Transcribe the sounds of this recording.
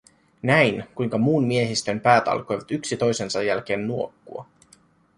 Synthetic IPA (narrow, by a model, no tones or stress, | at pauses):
næjnkujŋkɑmuːnmie̞ɦist̪ø̞mpæːt̪ɑ̰lko̞jʋɑt̪yksit̪o̞jse̞nsɑjːælk̟e̞ːnnuo̞kːuɑ̰